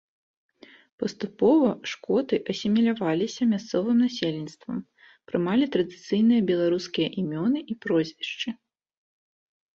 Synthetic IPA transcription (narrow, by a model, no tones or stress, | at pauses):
pɐst̪upɔvɐʂkɔt̪ɨʔɐsʲimʲilʲavalʲisʲɐmʲast̪sɔvɨmnasʲelʲinʲst̪vɐ̰m | pɾɨmalʲit̪ɾɐd̪ɨt̪sɨjnɨjɐbʲɛlˠaɾuskʲijɐʔimʲɔnɨʔipɾɔzʲvʲiʂt͡ʂɨ